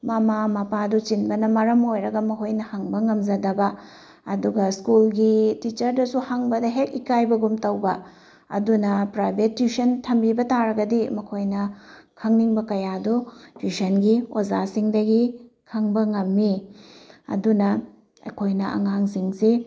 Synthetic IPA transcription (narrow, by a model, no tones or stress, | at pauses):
mamamɐpadut͡ʃinbɐnɐmɐɾɐmojɾɐɡɐmɐkʰojnɐhɐŋbɐŋɐmd͡ʒɐdɐbɐ | ɐduɡɐskulɡitit͡ʃɐɾdɐsuhaŋbɐdɐɦek̚ikajbɐɡumtɐwbɐ | ɐ̰dunɐpɾajbetːusɐntʰɐmbibɐtaɾɐɡɐdimɐkʰojnɐkʰɐŋniŋbɐkɐjadutusɐnɡiozasiŋdɐɡi | kʰɐŋbɐŋɐmːi | ɐ̰dunɐ | ɐ̰jkʰojnɐʔɐ̰ŋaŋsiŋsi